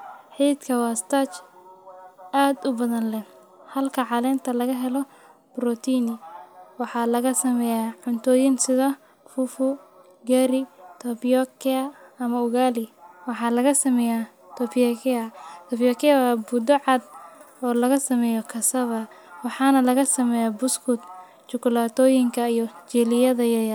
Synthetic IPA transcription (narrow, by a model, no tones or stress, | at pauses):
ħiːd̪kʰɐwɑːst̪ʰat͡ʃ | aːd̪ʊbɐðɐnlɛn | hɐlkʰɐʕɑlɛːnt̪ʰɐlɐɣɐɦɛlɔ | b̥ɾɔt̪ʰiːnɪwɑħɑːlɐɣɐsɐmɛːjaʕʊnt̪ʰɔːjɪnsɪðɐ | fʊfʊ | ɡɛɾɪt̪ʰɔbjɔkɛɐɐmɐʊɣaːlɪwɑħɑːlɐɣɐsɐmɛja | t̪ʰɔpɔkɛɐt̪ʰɔbjɔkɛawabʊd̪ɔʕɑd̪̚ | ɔːlɐɣɐsɐmɛːjɔkʰɐsɐβɐ | wɑħɑːnɐlɐɣɐsɐmɛːjabʊskʰʊt̪̚ | t͡ʃʊkʊlaːt̪ʰɔːjɪŋkʰɐijɔt͡ʃɛlɪjɐðɐjɐj